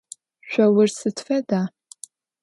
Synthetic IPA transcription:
ɕᶣʷɐwɪrsɨtʰfɐdaː

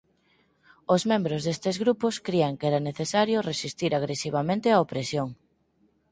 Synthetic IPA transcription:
ozmẽmbɾozðest̪ezɣɾupʊskɾiaŋkɛɾaneθesaɾjʊresist̪iɾaɣ̞ɾesiβ̞amẽnt̪ɪaopɾesjoŋ

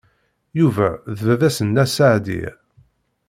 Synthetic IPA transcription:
juvæðvæðæsənːæsaʕd̪ḭ

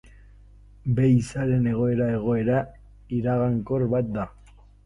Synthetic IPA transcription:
be̞jisaɾe̞ne̞ɣ̞o̞e̞ɾae̞ɣ̞o̞e̞ɾa | iɾaɣaŋko̞ɾβat̪̚d̪a

